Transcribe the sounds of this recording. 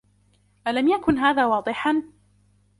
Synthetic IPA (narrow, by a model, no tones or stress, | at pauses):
ʔalamjakʊnɦaːðaːwɑːd̪ˤɨħan